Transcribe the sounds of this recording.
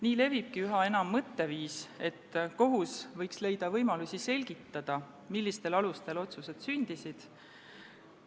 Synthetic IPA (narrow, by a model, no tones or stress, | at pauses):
niːle̞vib̥̚kiyɦɑe̞nɑmːɤt̪ːe̞viːse̞t̪ːko̞ɦusvɤjksle̞jd̪̥ɑvɤjmɑlusʲise̞lʲɡ̥it̪ːɑd̪̥ɑ | milːist̪e̞lɑlust̪e̞lo̞t̪suse̞d̪̥synʲd̪̥isid̪̥